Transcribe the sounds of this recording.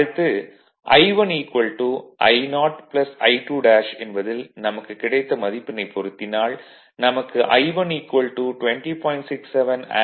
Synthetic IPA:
ɯt̪ːɯ | ʔɐɪʋɐniːkʋɐlʈuʔɐ̰ɪnaːʈplɐsɐɪʈuːɖaːʂɛnbɐðɪlnɐmɐkːɯkːɪɽɐɪt̪ːɐmɐðɪpːɪnɐɪpʰːɔɾɯt̪ːɪnaːɭ | nɐmɐkːɯʔɐɪʋɐniːkʋɐlʈuʈʊʋɛɳʈipoːɪɳʈsɪksːɛʋɐna̰ː

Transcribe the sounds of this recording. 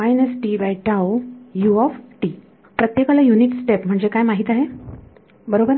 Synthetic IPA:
ajnəsʈibajʈawjuɔfʈi | pɾət̪jekalajuniksʈepm̤əɳd͡zekajmaɦit̪aɦe | bəɾobəɾ

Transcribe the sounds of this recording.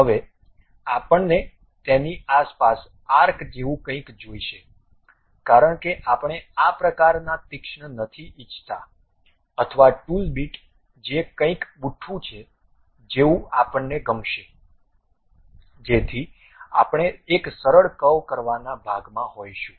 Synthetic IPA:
ɦəʋe | apəɳne | t̪eniaspas | aɾkʰd͡ʒeʋũkə̃ĩkd͡ʒoiʃe | kaɾəɳkeʔapɳ̃eapɾəkaɾnat̪ɪkʃɳənət̪ʰiʔɪt͡ʃʰt̪a | ət̪ʰəʋaʈulbiʈ | d͡ʒekə̃ĩkɓuʈʰũt͡ʃʰe | d͡ʒeũapəɳːeɡəmʃe | d͡ʒet̪ʰi | a̰pɳ̃eːksəɾəɭkəʋkəɾʋanabʱaɡmãɦojʃũ

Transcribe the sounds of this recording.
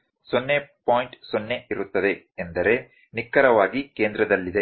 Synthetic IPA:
sonːepaːjɳʈsonːe̞iɾut̪ːɐd̪e̞ːnd̪ɐɾe̞ | nikːɐɾɐʋaːɡikeːnd̪ɾɐd̪ɐlːid̪e

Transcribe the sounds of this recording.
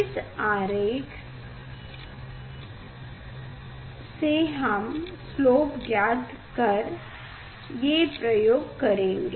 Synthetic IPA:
ɪsaːɾeːk | seɦɐmsloːpɡjaːd̪ʱ | kɐɾ | jepɾɐjoːɡkɐɾẽːŋɡeː

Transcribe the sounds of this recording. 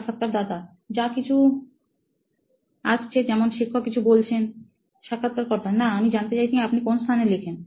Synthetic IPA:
akʰːat̪̚kaɾd̪at̪a | d͡ʑakit͡ɕʰu | aʃt͡ɕʰed͡ʑɛmonʃikʰːokːit͡ɕʰubolt͡ɕʰen | ʃakʰːat̪̚kaɾkɔɾt̪ʰanaamid͡ʑant̪et͡ɕajt͡ɕʰiapnikonst̪ʰanelikʰen

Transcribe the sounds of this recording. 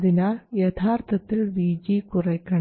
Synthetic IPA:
ðinaːljet̪ʰaːrt̪ʰɐt̪ːilʋiːd͡ʑikurɐkːɐ

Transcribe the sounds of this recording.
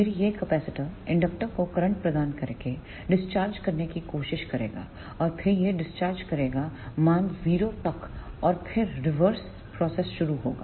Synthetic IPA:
ɪɾjekɐpɛːsɪʈəɪ̃ɳɖɐk̚ʈəɾkokɐɾə̃ɳʈ̚pɾɐd̪aːnkɐɾke | ɖɪst͡ʃaːɾd͡ʒkɐɾnekikoːʃɪʃkɐɾḛːɡa̰ː | ɔːɾpʰɪɾjeɖɪst͡ʃaːɾd͡ʒkɐɾeːɡamãːŋɡziːɾot̪ɐkɔːɾpʰɪɾɾɪʋəɾs | pɾɔːsɛsʃʊɾuɦo̰ːɡa̰ː

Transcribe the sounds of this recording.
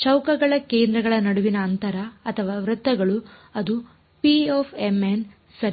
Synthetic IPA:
t͡ʃɐwkɐɡɐɭɐkeːnd̪ɾɐɡɐɭɐnɐɽuʋinɐːnt̪ɐɾɐːt̪ʰɐʋaːʋɾɐt̪ːɐɡɐɭuɐd̪u | pioːfemen | sɐɾi

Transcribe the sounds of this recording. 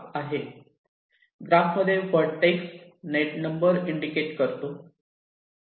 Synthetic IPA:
aɦe | ɡɾamːəd̪ʱjefəɾɽʈejksneʈnəmbəɾiɳɖikeʈkəɾt̪o

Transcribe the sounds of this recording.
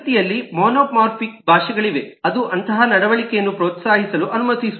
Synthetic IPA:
t̪ijɐlːimoːnoːpmaːɾpʰik̚bʱaːʃɐɡɐɭiʋe̞ɐd̪uʔɐnt̪ɐɦɐnɐɽɐʋɐɭikɛjɐnːupɾɔːt̪saːɦisɐluʔɐnumɐt̪isu

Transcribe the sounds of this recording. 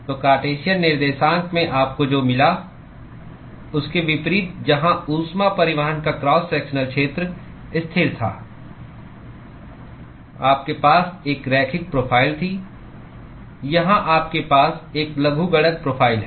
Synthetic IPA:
t̪oːkaːʈeːʃijənːɪɾd̪eːʃãːŋkʰmẽʔaːp̚kod͡ʒoːmɪla | ʊskeʋɪpɾiːt̪̚d͡ʒɐɦãuːsmapɐɾɪʋəɦənkakɾɔːsːɛːkʃənəlkʃeːt̪ɾ | ɪst̪ʰɪɾt̪ʰa̰ː | aːp̚kepaːseːkɾɛːkʰɪk̚pɾoːpʰaːɪlt̪ʰi | jɐɦãʔaːp̚kepaːseːklɐɡʱuɡɐɽək̚pɾoːpʰaːɪlɦɛ

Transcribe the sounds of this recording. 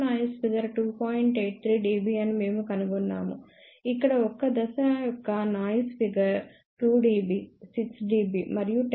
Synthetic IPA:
naːjuspiɡɐɾʈuːpʰaːjiɳʈeːʈ̚t̪ʰɾiːɖiːbiɐnime̞ːmukɐnuɡɔnːa̰ːmṵ | ikːɐɽɐɔkːɐd̪ɐsɐɐjɔkːɐnaːjuspiɡɐɾ | ʈuːɖiːbisiksɖiːbiːmɐɾijuʈ

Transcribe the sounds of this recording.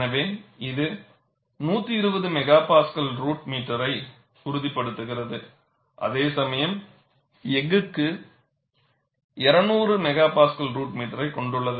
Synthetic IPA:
nɐʋeːnɪðɯ | nuːt̪ːɯɪɾɯbɐðɯmɛɣaːpaːskɐlɾuːʈmiːʈːɐɾɐɪ | sʊɾɯðɪpːɐɽɯt̪ːɯɣɪrɐðɯ | ʔɐ̰ðeːsɐmɐjɐm | ɛŋɡɯkːɯ | ɛɾɐnuːrɯmɛɣaːpaːskɐlɾuːʈmiːʈːɐɾɐɪkɔɳɖɯɭːɐðɯ

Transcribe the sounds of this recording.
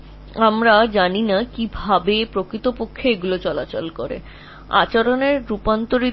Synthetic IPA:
amɾad͡ʑaninakibʱabepɾokɾit̪opokʰːeeɡulot͡ɕɔla̰t͡ɕolkoɾḛ | a̰t͡ɕaɾoneɾːupant̪oɾi

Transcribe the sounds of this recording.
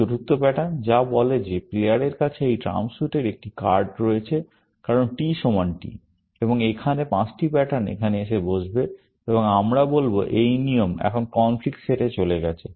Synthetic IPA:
oɾuk̚t̪opɛʈand͡ʑabɔled͡ʑepleaɽeɾkat͡ɕʰeejʈɾa̰msuʈeɾek̚ʈikaɾɖɾoet͡ɕʰe | kaɾonʈiʃomanʈḭ | eboŋekʰanepãt͡ɕʈibɛʈʰanḛkʰaneeʃebod͡ʑbe | eboŋamɾabolboʔejniomɛ̰kʰonkɔnflik̚ʈʃeʈet͡ɕoleɡɛt͡ɕʰe

